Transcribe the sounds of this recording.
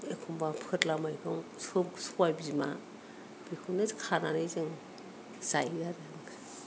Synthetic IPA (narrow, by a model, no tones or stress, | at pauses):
ekʰumbapʰɯtlamajkʰɯŋsɯswajbizima̰ | b̥ikʰunɯzkʰananɯjzɯŋ | zajɡaɾɯŋ